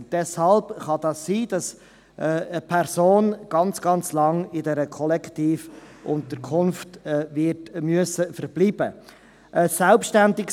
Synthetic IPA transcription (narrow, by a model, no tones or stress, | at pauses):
d̥ɛshɑlbχɑd̥̪ɑsːiːd̥ɑs | ʔəpʰɛɾsoːnɡ̥ɑnt͡sɡ̥ɑnt͡slɑŋɪdɛɾəkʰɔlɛktiːfʔʊnt̪əɾkʰʊnftːvɪtmyəsəfəɾb̥liːb̥ə | ʔəsɛlpʃtændɪk